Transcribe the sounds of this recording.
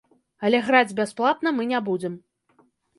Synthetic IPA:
ɐlʲɛɣɾad͡zʲbʲasplˠat̪nɐmɨnʲabud͡zʲɛm

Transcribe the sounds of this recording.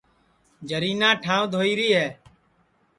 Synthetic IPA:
d͡ʒəɾiːnãːʈʰãːʋd̪ʱoːiːɾiːɦɛː

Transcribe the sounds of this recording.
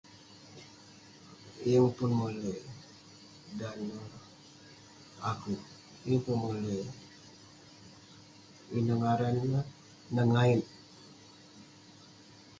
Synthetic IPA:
iəŋpunmule | danə | aku | ŋpunmule | inaŋaɾana | nəŋain

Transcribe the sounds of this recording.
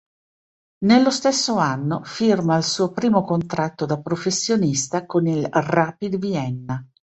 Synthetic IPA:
nelːost̪esːoanːofirmailsuːopɾiːmokont̪ɾat̪ːod̪apɾofesːjonist̪akonilraːpid̪viɛnːa

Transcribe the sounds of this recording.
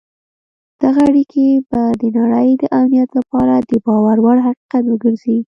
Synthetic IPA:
d̪̥aɣaaɽikʰebad̪ənaɽəjd̪əʔamnijat̪lapɑɾad̪əbɑwaɾwaɽɦaqi̥qat̪wəɡəɾzi

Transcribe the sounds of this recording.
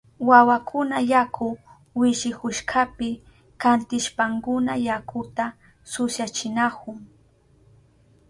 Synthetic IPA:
wawakʰʊnajakʰʊ | wɪʃɪkʊʃkʰapɪ | kant̪ɪʃpaŋkʊnajakʊt̪a | sʊsjat͡ʃɪnakʊŋ

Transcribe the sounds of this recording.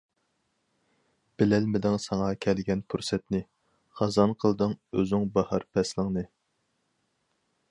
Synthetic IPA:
b̥ɪlɛlmɪd̪ɪŋsɑŋɑkʲʰɛlɡʲɛnpʰuɾsɛt̪nɨ | χɑzɑnqʰəlˠd̪ɨŋøzɪŋbɑhɑɾpʰɛslˠəŋnɨ

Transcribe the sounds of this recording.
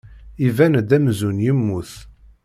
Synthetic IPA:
ivænd̪æmzunjəmːuθ

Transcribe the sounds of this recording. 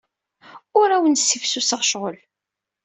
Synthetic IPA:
ʊɾæwənsifsusəʁʃʁəl

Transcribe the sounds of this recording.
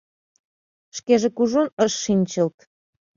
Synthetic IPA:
ʃkeʒekuʒonəʃːinʲt͡ɕəlt̪

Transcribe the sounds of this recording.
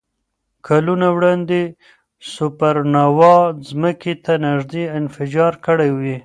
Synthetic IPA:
kʰalunawɽɑnd̪e | sʊpaɾnawɑzməket̪anaʒd̪eɪnfɪd͡ʒɑɾkəɽajwi

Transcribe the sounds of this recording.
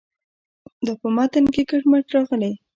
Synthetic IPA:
d̪ɑpəmat̪ənkekəʈmaʈɾɑɣəle

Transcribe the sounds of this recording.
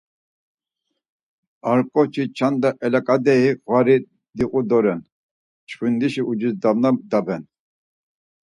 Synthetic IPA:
aɾkʼɔt͡ʃʰit͡ʃʰand̪aʔɛlakʼad̪ɛiwaɾi | d̪iqʼud̪ɔɾɛn | t͡ʃʰχund̪iʃiʔud͡ʒisd̪amnad̪abɛn

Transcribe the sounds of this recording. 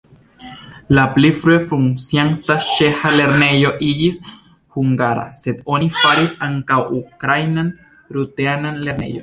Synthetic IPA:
laplifɾuefɾuŋsjaŋt̪aʃehaleɾnejoʔiʎis | huŋɡaɾa̰set̪onifaɾisaŋkawʔukɾajnan | ɾut̪eananleɾnḛjo

